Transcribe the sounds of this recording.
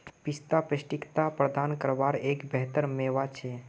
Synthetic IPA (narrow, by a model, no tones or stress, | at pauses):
pist̪apɾəʃʈikt̪apɾəd̪aːnkəɾʋaːɾeːkbɛɦt̪əɾmeːʋat͡ʃʰe